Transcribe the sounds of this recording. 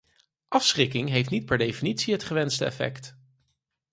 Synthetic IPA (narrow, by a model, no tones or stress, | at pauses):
ʔɑfsχɪkɪŋɦejftnit̚pɛɹdejfinitsiɦətχəʋɛnstəɛ̰fɛ̰kt